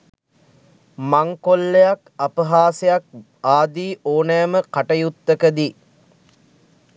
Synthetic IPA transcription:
maŋkolːejakapəɦaːsejak̚ | aːd̪iːʔoːnæjməkaʈəjut̪ːəkəd̪i

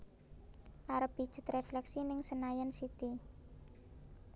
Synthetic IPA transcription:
ʔaɾəpid̥ʒ̥ɪ̤̥t̪reflɛksinɪŋsənajənsit̪i

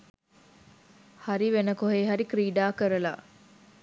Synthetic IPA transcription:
haɾiʋenəkoɦeːɦɐɾikɾiːɖaːkəɾəla̰

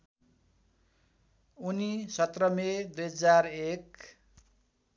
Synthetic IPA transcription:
unisʌt̪rʌmed̪ujɦʌd͡zarek

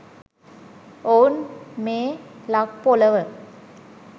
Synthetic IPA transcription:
oːnmeːlak̚poːlɐʋɯ

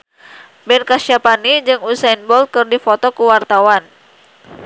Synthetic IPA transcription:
bɛnkasapanid͡ʒɨŋusainbɔl̚kɨrdifɔt̪ɔkuwart̪awan

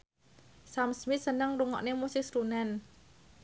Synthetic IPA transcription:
samsmɪt̪̚sənəŋruŋɔ̰ʔnemusɪk̚sɾunɛn

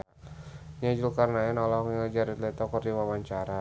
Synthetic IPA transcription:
ɲad͡ʒulkarnaɪnɔlɔɦkŋəd͡ʒaɾit̪lɛt̪ɔkɔrdiwawaɲt͡ʃaɾa

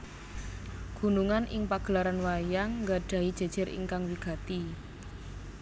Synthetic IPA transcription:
ɡ̥ṳnuŋanʔɪŋpaɡ̥əlaɾanwajaŋːɡa̤ɖ̥a̤i̥ʒ̥e̤d̥ʒ̥ə̤ɾḭŋkaŋwiɡ̥a̤t̪i

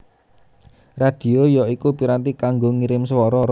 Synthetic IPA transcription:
rad̥i̤ojɔikupiɾant̪ikaŋɡoŋiɾɪmswɔɾɔɾ

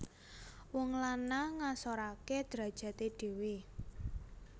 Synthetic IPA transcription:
wɔŋlanaŋasoɾake̥d̪̥ɾä̤d̥ʒ̥ä̤t̪eɖ̥e̤we

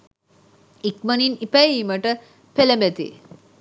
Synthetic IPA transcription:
ik̚məninipajiməʈə | pʰelembɛt̪ḭ

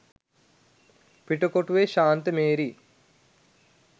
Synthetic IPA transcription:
piʈɐkoʈuʋeːʃaːnt̪əmeːɾi

